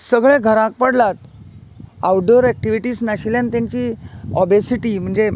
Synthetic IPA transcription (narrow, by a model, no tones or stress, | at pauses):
səɡɭẽɡʱəɾãk̚pəɽlat̪ | awɖoɾɛk̚ʈiʋiʈiːsnaɕiljãnt̪jaɲt͡ɕiːɔbesiʈim̤əɳd͡ze